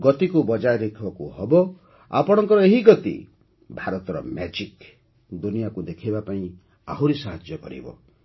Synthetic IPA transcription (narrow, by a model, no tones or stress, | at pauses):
ɡɔt̪ikubɔd͡ʒajɾekʰbɔkṵɦɔbɔ | a̰pɔɽ̃ɔŋkɔɾɔeɦiɡɔt̪ḭ | bʱaɾɔt̪ɔɾɔ̰mɛd͡ʒik | d̪unijakud̪ekʰibapaĩ | a̰ɦuɾisaɦad͡ʒjɔkɔ̰ɾḭbɔ̰